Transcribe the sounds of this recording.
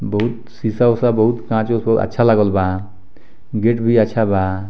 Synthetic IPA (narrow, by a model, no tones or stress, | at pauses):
bɔɦut̪ | sisasabɔɦut̪kãt͡ʃosbɔɦut̪a̰tːʃʰalaɡɔlba | ɡeʈbʱiatːʃʰaba